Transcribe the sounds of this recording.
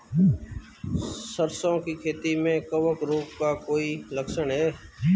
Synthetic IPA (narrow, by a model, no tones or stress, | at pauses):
səɾsõːkiːkʰeːt̪iːmẽːkəʋəkɾoːkkaːkoːiːləksəɳɦeː